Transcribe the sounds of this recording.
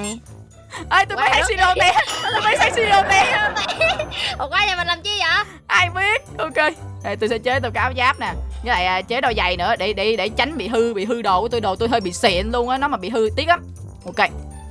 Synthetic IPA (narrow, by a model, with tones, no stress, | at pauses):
ʔaː˧˩jt̪o˧jmə˨˦jha˨˦si˧ɗo˧˩nɗɛ˧t̪o˧jməː˨˦jha˨˦jsi˧ɗo˧nɗɛ˧˩˧ | o˨˩kaː˨˦ɲaː˨˩mə˨˩nlaː˨˩mt͡ɕi˧ɲaː˨˩ | ʔaː˧jɓi˦˥ət̚ʔo˧ke˧zaː˨˩t̪o˧jsɛ̰˧˥t͡ɕe˦t̪̬ə˧jka˨˧˦ʔaː˨˦zaː˦˥p̚naː˨˩ŋə˨˦la̰ː˧˨jʔaː˨˩t͡ɕe˨˦˥ɗɔ˧jza˨˩jnɨ̰˧˥əɗe˧˩ɗe˧˩ɗe˧˩t͡ɕa˨˦jŋ̟ɓḭ˧˨ɦɨ˧ɓḭ˧˨ɦɨ˧ɗo˧˨t̪jɗo˨˩t̪o˧jɦəː˧jɓḭ˧˨sɛ̰˧˨ənlu˧ənʔaː˨˦nɔ˨˦maː˨˩ɓḭ˧˨ɦɨ˧t̪i˦˥ək̚ʔaː˧˦m | ʔo˧ke˧